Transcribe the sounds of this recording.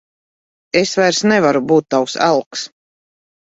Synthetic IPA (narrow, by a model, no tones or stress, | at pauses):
esvajɾsnɛvaɾubuːt̪ːawsa̰lˠks